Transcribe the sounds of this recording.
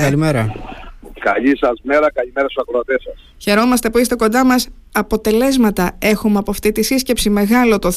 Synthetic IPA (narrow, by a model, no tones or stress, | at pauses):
ɐlimeɾɐ | kɐ̰ʎisɐzmeɾɐkɐʎimeɾɐsuɐkɾoɐt̪esɐs | çe̞ɾo̞mɐst̪e̞puist̪e̞ko̞nd̪ɐmɐs | ɐpo̞t̪e̞le̞zmɐt̪ɐe̞xumeɐpoɐft̪it̪isisce̞psime̞ɣɐlo̞t̪o